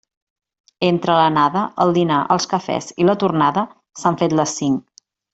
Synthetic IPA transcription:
ent̪ɾələnaðəʔəlˠd̪inaʔə̰lˠskəfɛ̰zilət̪urnaðə | saɱfet̪ləsiŋ

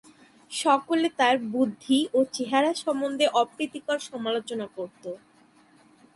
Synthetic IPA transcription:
ʃɔkolet̪aɾbud̪ʱːiot͡ɕeɦaɾaʃɔmond̪ʱeʔɔpɾit̪ikaɾʃɔmalot͡ɕonakoɾt̪o

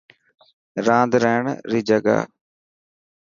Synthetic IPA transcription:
ɾãːnd̪ɾɛːɳɾiːd͡ʒəɡa̰ː

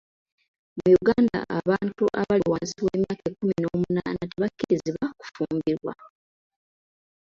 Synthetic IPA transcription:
mujuɡaːnda̰ʔaβaːntuʔaβawaːnsiwe̞̰ːmjaːkekːumino̞ːmunaːnateβakːiɾiziβaku̥fuːmbiɾwa̰

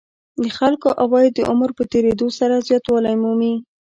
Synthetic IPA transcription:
d̪əxalkoʔawɑjd̪ːəʔʊməɾpət̪eɾed̪osaɾazjɑt̪wɑlajmumi

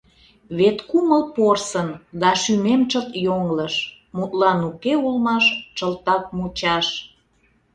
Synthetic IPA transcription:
βet̪kuməlporsənd̪ɑʃymemt͡ʃət̪joŋləʃ | mut̪lɑnukeulmɑʃt͡ʃəlt̪ɑk̚mut͡ɕɑʃ

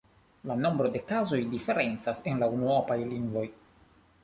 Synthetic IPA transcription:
lano̞mbɾo̞de̞kazo̞jdife̞ɾe̞nt͡sase̞nlaunuopajliŋɡvo̞j

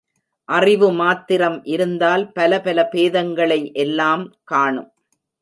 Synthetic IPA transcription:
ʔɐrɪʋɯmaːt̪ːɪɾɐmʔɪɾɯnd̪aːlpɐlɐpɐlɐpeːðɐŋɡɐɭɐɪʔɛlːaːmkaːɳɯ̰m

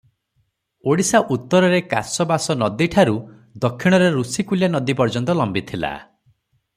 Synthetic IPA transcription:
oɽisaʔut̪ːɔɾɔɾeka̰sɔbasɔnɔd̪iʈʰaɾu | d̪ɔkʰːiɽ̃ɔɾeɾusikuljanɔd̪ipɔɾd͡ʒɔnt̪ɔlɔmbit̪ʰila̰

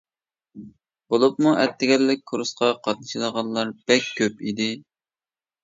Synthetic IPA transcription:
bolˠup̚muʔɛt̪ʰːɪɡʲɛlːɪk̚ʲkʰuɾusqɑqʰɑt̪̚nɨʃilˠəʁɑlˠːɑɾb̥ɛkʲʰːøpid̪ɪ

